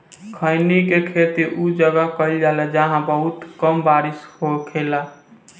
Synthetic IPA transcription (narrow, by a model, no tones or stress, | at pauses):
kʰəjnikekʰet̪iʔud͡ʒəɡakəld͡ʒalɛd͡ʒaɦãbəɦut̪kəmbaɾisɦokʰela